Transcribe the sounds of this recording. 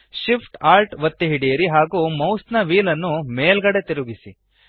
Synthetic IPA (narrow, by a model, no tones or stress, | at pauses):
ʃipʰʈaːɾʈʋɐt̪ːeɦiɽijɐɾiɦaːɡuːmɐwsnɐʋiːlɐnːumeːlɡɐɽet̪iɾuɡisḭ